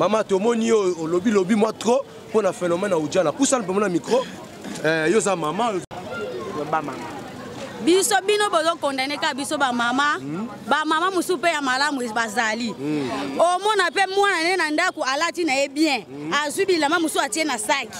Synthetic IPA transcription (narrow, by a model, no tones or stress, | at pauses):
mamatomɔnijoolobilobimwatʁo | ponafɛnomɛnaud͡ʒianapusalpemamikʁo | jozamamao | a | bisobinobozokɔndanekakabisobamama | bamamamosupejamalamuebazali | omɔnapemwananenandakoalatinajebjɛ̃ | azwibilamamusuatienasaki̥